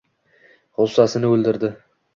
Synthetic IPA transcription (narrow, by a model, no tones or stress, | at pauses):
ʁʊlˠsasɪnɪɵlˠd̪ɪɾd̪ɪ